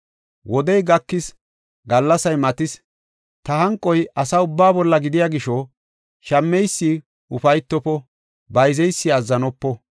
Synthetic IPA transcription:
wʔɔd̪ɛjɡɐkːɪs | ɡɐlːɐsɐjmɐt̪ɪs | t̪ɐhɐŋkʼːɔjɐsɐʊbːaːbɔlːɐɡɪd̪ɪjaːɡɪʃɔ | ʃɐmːɛjsːi | ʊfɐjt̪ːɔpɔ | bɐjzɛjsːɪɐzːɐnɔpːɔ

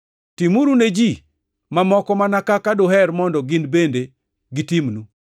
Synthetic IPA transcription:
timuɾuned͡ʒi | mamɔkɔmanakakadoɦɛɾmɔndɔɡɪndbende | ɡitimnu

